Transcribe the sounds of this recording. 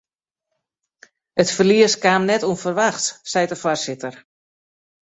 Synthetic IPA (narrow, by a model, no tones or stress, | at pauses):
ətfərliəskaːmnɛtuənfərʋaxtsɛjtdəfɔrsɪtər